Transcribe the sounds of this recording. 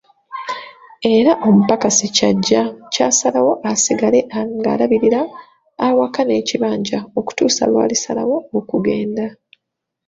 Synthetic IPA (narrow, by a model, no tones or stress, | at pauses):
e̞ɾaʔo̞mupakasicaɟːacaːsalawo̞ʔasiɡale̞ʔaŋɡa̰ːlaβiɾiɾaː | wakane̞ːciβaːɲɟao̞ku̥tuːsa̰lwa̰ːlisala̰wo̞okuɡe̞ːnda